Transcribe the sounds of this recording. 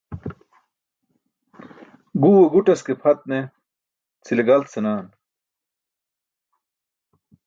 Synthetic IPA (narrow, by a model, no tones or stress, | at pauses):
ɡuweɡuʈɐskepʰɐt̪̚ne | t͡sʰileɡɐlt̪senaːn